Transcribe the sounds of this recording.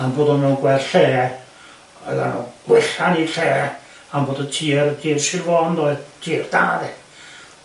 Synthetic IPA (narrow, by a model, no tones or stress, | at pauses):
anboːdɔnɛwnɡwɛrɬeː | ɔ̰ða̰nṵɡ̥wɪɬaniɬeː | amboːdətʰiːɾədiːrsɪvɔndɔjtʰiːrd̥a̰ːðɛ